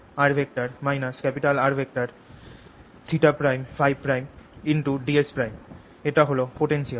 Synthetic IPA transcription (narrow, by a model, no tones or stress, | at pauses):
aɾbʱek̚ʈaɾmajnaskɛpiʈalaɾbʱek̚ʈaɾ | t͡ɕʰiʈapɾajmfʰajb̚pɾajminʈuɖiespɾajm | eʈaɦolopoʈenʃial